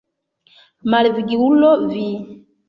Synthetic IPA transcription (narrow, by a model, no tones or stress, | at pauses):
maliviɡiulɔvi